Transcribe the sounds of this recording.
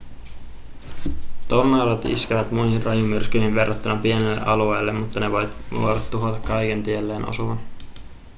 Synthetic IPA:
t̪ornɑlɑt̪ḭskeʋæt̪mujhirrɑjumyrskyinʋe̞rːɑt̪ːunɑpie̞nelːe̞̰ʔɑlue̞ːlːe̞mmut̪ːɑne̞ʋo̞juoɾɑt̪ːuɦot̪ɑkːɑjkent̪ielːe̞ːnʔo̰suʋɑn

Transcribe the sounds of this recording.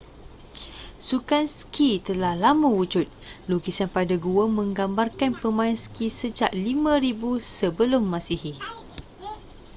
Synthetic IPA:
sukanskit̪əlahlamãwud͡ʒʊt̪̚luɡisanpadaɡuəmə̃ŋɡambarkanpəmãinskisəd͡ʒaʔlimãɾibusəbəlʊmːãsiɦi

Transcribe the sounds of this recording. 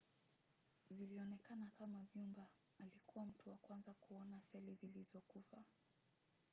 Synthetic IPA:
ziliɔnɛkanakamavjumbaː | likʰuwam̩tuwakwanzakuɔnasɛlizilizɔkufa

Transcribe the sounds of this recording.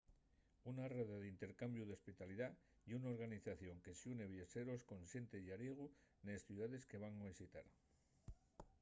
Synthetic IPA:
unareðeðint̪e̞ɾkambjuðespit̪aliða | iunaoɾɣaniθaθjo̞ŋke̞seune̞βjese̞ɾosko̞nsje̞nt̪ejaɾjeɣ̞unesθjuðaðe̞ske̞β̞aŋaβisit̪a̰ɾ

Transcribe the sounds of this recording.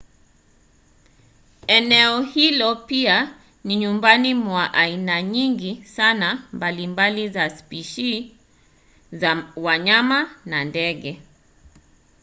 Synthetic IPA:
ɛnɛɔhilɔpia | niɲumbanimwaʔainaɲiŋɡisanambalimbalizaspiʃi | zawaɲamanandɛɠɛ

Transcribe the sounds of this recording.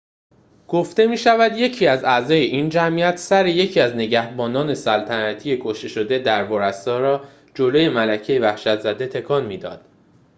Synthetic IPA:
ɡ̥oft̪e̞miːʃævæd̪je̞cʰiːæzæzɒːje̞ʔind͡ʒæmiæt̪ʰsæɾeje̞cʰiæzne̞ɟæhbɒːnɒːne̞sælt̪ʰænæt̪ʰiːje̞kʰoʃt̪e̞ʃo̞d̪e̞d̪æɾvɒɾæsɒːɾɒː | d͡ʒoloje̞mælæcʰe̞jevæhʃæt̪ʰzæd̪e̞t̪ʰe̞kʰɒːnmiːd̪ɒ̰ːd̪̥

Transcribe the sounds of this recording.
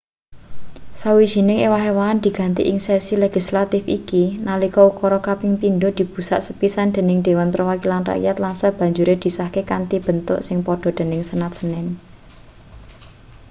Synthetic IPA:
sawiʒ̥i̤nɪŋewaɦewaːnd̪̥i̤ɡ̥ä̤nt̪ḭʔɪŋsɛsileɡ̥islat̪ɪfikinalikɔukɔɾɔkapɪŋpindod̪̥i̤b̥usa̰ʔsəpisand̪̥e̤nɪŋd̪̥e̤wanpərwakilanra̰ʔjat̪lansab̥ä̤ɲd͡ʒuɾed̪̥i̤sahkekant̪ib̥ə̤nt̪ʊ̰ʔsɪŋpɔɖ̥ɔ̤d̪̥e̤nɪŋsənat̪̚sənɪn

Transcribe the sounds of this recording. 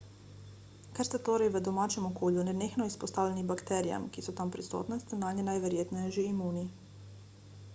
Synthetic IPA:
kaɾst̪ɛt̪oːɾajʋəd̪omaːt͡ʃɛmokoːʎunɛnexnoispost̪aːʋʎʲenibakt̪ɛɾija̰mkisut̪ampɾist̪o̰ːt̪nɛst̪ɛnaːɲɛnajʋeɾjeːt̪nejɛʒiimuːni

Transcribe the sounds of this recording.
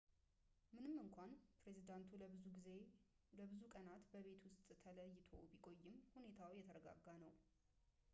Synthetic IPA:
mɨnɨmːɨŋkʷʰanpɾe̞zid̪ant̪ʰuɨe | ləβɨzukʼənat̪bəβe̞t̪wʊst̪ʼt̪ʰələjːɪt̪ʰo̞̰bikʼo̞jːɪmhune̞t̪ʰawjɛt̪ʰəɾəɡa̰ɡːanəw

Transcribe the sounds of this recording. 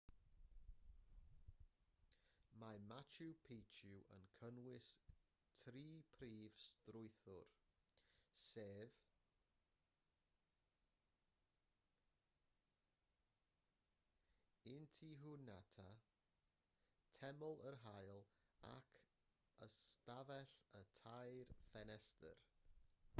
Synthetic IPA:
mamat͡ʃʰupʰejt͡ʃʰuʔə̰nkʰənwɪs | tʰriːpʰriːv̥strʊɨθʊr | seːv | ɪntʰiɦunatʰa | tʰɛmɔlˠərɦajlˠa̰kʰ | əstavɛɬətʰajrfɛnɛstə̰r

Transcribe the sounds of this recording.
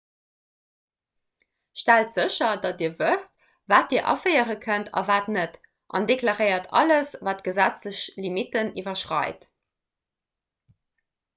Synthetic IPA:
ʃtæltz̥əɕɐdɑdiːɐvəst | vaːt̚d̥iːɐʔɑ̰fəɪəʁəkʰəntʰɑ̰vaːtnət | ʔɑ̰ndeklɑʁəɪɐtʰɑ̰ləsvaːtɡ̥əzæt͡sləɕlimitənivɐʃʁɑ̰ɪt

